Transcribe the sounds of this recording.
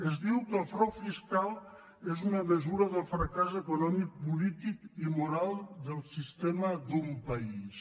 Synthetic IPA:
əzðiwkəlˠfɾɔwfiskalˠ | ezunəməzuɾəðəlˠfɾakazəkunɔmik̚pulit̪ikimuɾalˠd̪əlˠsist̪eməd̪umpais

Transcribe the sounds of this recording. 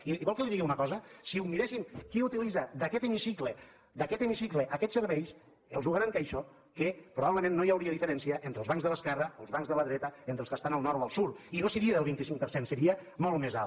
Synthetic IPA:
iiβwɔlˠkəliðiɣiunəkɔzəsiumiɾesimkiut̪ilizad̪əkɛt̪əmisiklə | d̪əkɛt̪əmisikləʔəkɛt̪səɾβɛjs | əlˠʒuɣaɾaŋkəjʃɔ | kəpɾuβaβləmẽnːojəwɾiəðifəɾɛnsiəʔent̪ɾəlzβaŋkzðələskɛrəəlˠzβaŋzðələðɾɛt̪əent̪ɾəlskəst̪anəlˠnɔɾoəlˠsuɾinosəɾiəðəlˠβ̞int̪isiŋk̚pəɾsensəɾiəmolˠmeza

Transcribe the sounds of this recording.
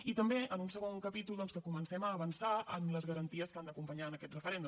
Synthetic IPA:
it̪əmbeʔənunsəɣ̞oŋkəpit̪ulˠd̪ɔnskəkumənsɛməːβənsaə̰mləzɣəɾənt̪iəskand̪əkumpəɲaənəkɛt̪rəfəɾɛnd̪u

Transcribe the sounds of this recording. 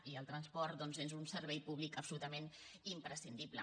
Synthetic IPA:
iəlˠt̪ɾənspɔɾt̪̚d̪ɔnzenzunsəɾβɛjpuβlikəpsulut̪əmenimpɾəsind̪iplə̰

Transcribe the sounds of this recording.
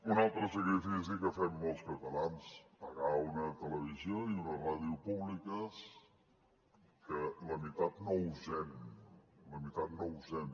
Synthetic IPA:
unalˠt̪ɾəsəkɾifis̬ikəfɛmːolˠskət̪əlanspəɣaunət̪ələβ̞izioiunəraðiupuβlikəs | kələmit̪at̪nouzɛm | ləmit̪at̪̚nouzɛm

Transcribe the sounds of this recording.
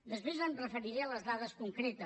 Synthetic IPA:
d̪əspɾezənrəfəɾiɾeələzðaðəskuŋkɾet̪ə

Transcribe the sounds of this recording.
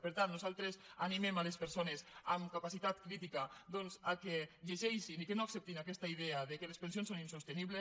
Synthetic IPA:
peɾt̪annuzalˠt̪ɾesanimemalespeɾsonesamkapasit̪at̪kɾit̪ikad̪onzakeʎeʒɛjʃinikenoaksɛp̚t̪inakɛst̪aiðeaðekelespensionsoninsost̪eniβle

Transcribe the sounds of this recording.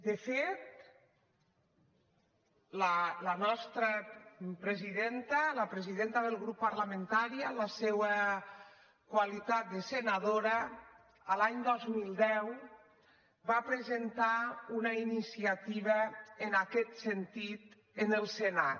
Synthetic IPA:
d̪əfet̪̚ | lələnɔst̪ɾəpɾeziðent̪ələpɾeziðent̪əðəlˠɣɾupːəɾləmẽnt̪aɾiələsewə | kwalit̪at̪̚d̪əsenaðoɾə | əlaɲd̪ɔzmilˠd̪ɛw | bapɾezent̪aunəinisiat̪iβəenakɛt̪sent̪it̪ | enəlˠsena

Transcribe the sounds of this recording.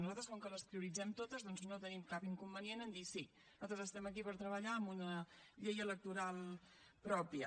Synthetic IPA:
nuzat̪ɾəskoŋkələspɾiuɾid͡zɛmt̪ot̪əzðɔnznot̪ənimkapiŋkumbənienənd̪isi | nuzat̪ɾəzəst̪ɛməkipəɾt̪ɾəβəʎaəmbunəʎejələk̚t̪uɾalˠ | pɾɔpiə

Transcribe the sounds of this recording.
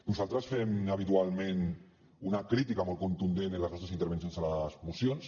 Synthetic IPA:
nuzalˠt̪ɾəsfɛmaβ̞it̪ualˠmẽn | unakɾit̪ikamɔlˠkunt̪und̪enenləznɔst̪ɾəsint̪əɾβ̞ensjonzalazmusjons

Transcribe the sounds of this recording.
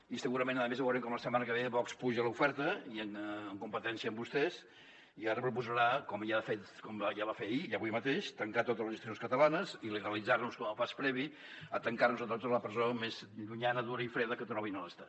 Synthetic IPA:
isəɣuɾəmẽnəðəmezβəwɾeŋkɔmləsəmanəkəβeβɔkspuʒələufɛɾt̪əiənːŋkumpət̪ɛnsiəmbust̪ɛz | iaɾəpɾupuzəɾakɔmjaðəfet̪kɔmjaβafeiəβujmət̪eʃt̪əŋkat̪ot̪əzlˠəzəst̪ɾionskət̪əlanəziləɣəlid͡zarnuskɔməlˠpaspɾɛβi | ət̪əŋkarnuzət̪ot̪əzləpɾəzomezʎuɲanəðuɾəifɾeðəkət̪ɾɔβinələst̪a

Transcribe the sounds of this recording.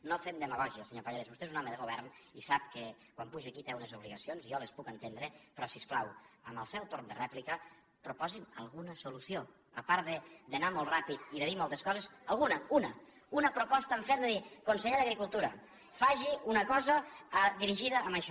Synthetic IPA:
nofemd̪əməɣɔʒiəlˠseɲopaʎaɾezβust̪eezunɔməðəɣoβ̞ɛrnisap̚kekwampuʒəkit̪ɛunezuβ̞liɣəsionziɔlespukənt̪end̪ɾepɾɔsisklawəmbəlˠsɛwt̪oɾnd̪ərɛplikə | pɾupɔzimə̰lˠɣunəsulusio | əpaɾðed̪ənamolˠrapit̪iðəðimɔlˠt̪eskɔzezəlˠɣunəunɐ | unəpɾopɔst̪əɱfend̪əðikonseʎeðəɣɾikulˠt̪uɾɐ | faʒiunɐkɔzəðiɾiʒiðəːməʃɔ

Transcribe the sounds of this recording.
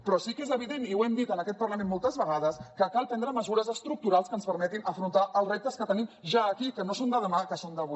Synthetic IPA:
pɾɔsikezəβ̞iðeniuɛmd̪it̪ənəkɛt̪̚pərləmẽnmolˠt̪əzβəɣ̞aðəskəkalˠpɛnd̪ɾəməzuɾəzəst̪ɾuk̚t̪uɾalˠskənspəɾmɛt̪inʔəfɾunt̪aʔəlˠzrep̚t̪əskət̪ənimʒaːkikənosond̪əðəmakəsond̪əβu

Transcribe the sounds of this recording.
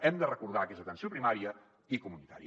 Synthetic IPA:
ɛmd̪ərəkuɾð̞akezət̪ənsiopɾimaɾiə | ikumunit̪a̰ɾi

